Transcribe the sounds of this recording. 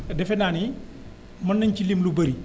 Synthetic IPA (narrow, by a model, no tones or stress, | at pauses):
dɛfɛnaːni | mɐnːɐɲcilimlubɐɾi